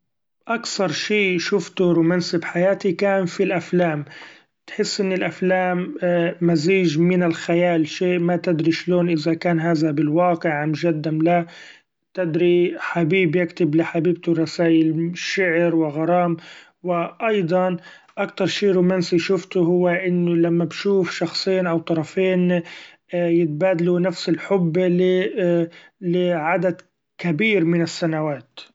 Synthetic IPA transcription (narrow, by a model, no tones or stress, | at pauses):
ʔakθɑɾˤʃiːʃʊft̪ʊɾuːmaːnsɪbħajaːt̪ikaːnfilʔaflaːm | t̪ħɪsːʔɪnːɪlʔaflaːmːaziːʒmɪnɪlxajaːlʃeːʔmat̪ɪd̪ɾiʃloːnʔɪzakaːnɦaːðabɪlwɑːqɪʕmʒad̪ːamla | t̪ɪd̪ɾiħabiːbjɪkt̪ɪblɪħabiːb̚t̪ʊɾˤɑsaːʔɪlʃɪʕɾwɪɣɑɾˤɑːm | wɪʔɑjd̪ˤɑn | ʔakt̪ɑɾˤʃiːɾuːmaːnsiʃʊft̪ʊɦʊwːaʔɪnːʊlamːabʃuːfʃɑxsˤiːnʔawt̪ˤɑɾˤɑfiːn | jɪt̪̚baːd̪alunafsɪlħʊbːl | lɪʕad̪ad̪ | kabiːɾmɪnɪsːanawaːt̪